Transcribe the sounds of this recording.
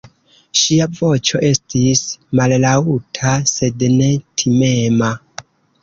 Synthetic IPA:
ʃiavo̞t͡ʃo̞ʔe̞stismallautʰase̞dne̞tʰime̞ma

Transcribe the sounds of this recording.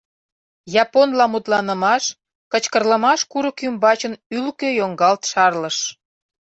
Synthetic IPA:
jɑponlɑmut̪lɑnə̆mɑʃ | kət͡ɕkə̆rləmɑʃkuɾəkymbɑt͡ɕənylkøjoŋɡɑlt̪ʃɑrləʃ

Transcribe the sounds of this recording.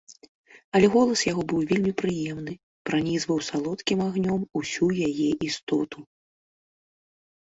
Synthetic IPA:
ɐlʲɛɣɔlˠɐsjaɣɔbɨwvʲelʲmʲipɾɨjɛmn̪ɨ | pɾanʲizvɐwsalˠɔt̪kʲimaɣnʲɔmusʲujajɛʔist̪ɔt̪u

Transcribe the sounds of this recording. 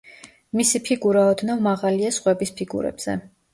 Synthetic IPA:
misipʰiɡuɾaɔd̪navmaʁaliasχwɛbispʰiɡṵɾɛ̰b̥z̥ɛ̰

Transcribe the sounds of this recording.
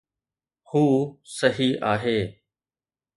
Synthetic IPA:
huːsəɦiʔaːɦeː

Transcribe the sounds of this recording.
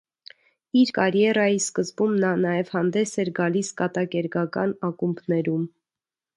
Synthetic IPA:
iɾkɑɾjɛɾɑjiskəzbumnɑnɑjɛvhɑnd̪ɛsɛɾɡɑliskɑt̪ɑkɛɾɡɑkɑ̰nɑkumbʰnɛɾum

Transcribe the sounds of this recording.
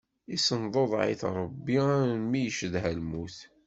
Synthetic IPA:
isənðˤoðˤʕḭθɾˤəbːimijəʃəðɦælmuθ

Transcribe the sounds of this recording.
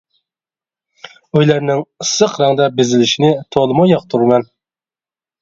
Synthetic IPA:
øjlæɾnɪŋɨsəqɾɑŋd̪ɑbɪzɪlɪʃinɪt̪ʰolˠɨmɑjɑq̚t̪ʰuɾmɛn

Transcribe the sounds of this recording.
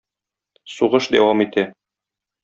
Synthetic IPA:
suʁɤʃd̪æ̰wɑmit̪æ

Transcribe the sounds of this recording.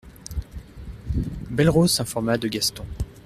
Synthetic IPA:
bɛlʁosɛ̃fɔʁmad̪əɡʲast̪ɔ̃

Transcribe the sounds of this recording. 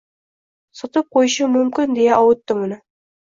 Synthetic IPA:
sɒt̪ɤp̚qojʃəmɵmkʲɪnd̪ejaʔɒwʊ̆t̪ːɪmʊnɪ

